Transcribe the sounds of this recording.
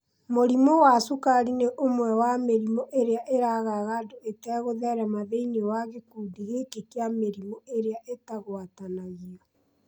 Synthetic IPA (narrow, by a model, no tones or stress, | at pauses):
moɾimowasukaɾineʔomwɛwameɾimoʔeɾeaʔeɾaɣaɣadoetɛɣoðɛɾɛmaðeinewaɣekuːdiɣekekeameɾimoeɾeaʔetaɣwatanaɣiɔ